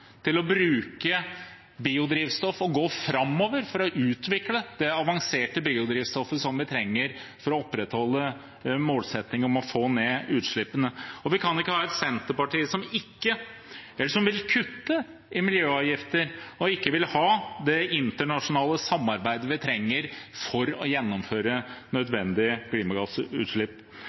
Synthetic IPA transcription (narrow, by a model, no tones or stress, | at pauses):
t̪ʰɪlɔbɾʉːkə | biːʊd̪ɾiːʋst̪ɔfɔɡoːfɾɑmːoːʋəɾfɔɾɔʔʉːt̪ʋɪkləd̪̥ɛɑʋɑŋseːʈəbiːʊd̪ɾiːʋst̪ɔfəsɔmʋɪt̪ʰɾɛŋːəɾfɔɾɔɔpːɾɛt̪hɔlːə | moːlsɛt̪nɪŋəɔmɔfoːneːʉːt̪ʂɭɪpːənəɔʋɪkʰɑnɪkːəhɑːɛt̪sɛnt̪əɾpɑʈiːəsɔmɪkːəɛlːəʂɔmʋɪlkʰʉt̪ːə | ɪmɪljøːɑːʋjɪft̪əɾɔɪkːəʋɪlhɑːd̪ɛɪnt̪əɳɑʂʊnɑːləsɑmːɑɾbæɪd̪əʋɪt̪ʰɾɛŋːəɾfɔɾɔ̰jɛnːɔmføːɾənœd̪ʋɛnd̪ɪəkʰliːmɑɡɑsʉ̰ːʂɭɪpː